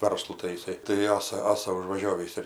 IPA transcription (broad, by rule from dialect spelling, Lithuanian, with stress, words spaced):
ˈʋɐrslˠʊ tɐɪ jɪˈsɐɪ tɐɪ ˈɑːsɐ ˈɑːsɐ ʊʒʋɐˈʒʲoːʋʲiːs ɪr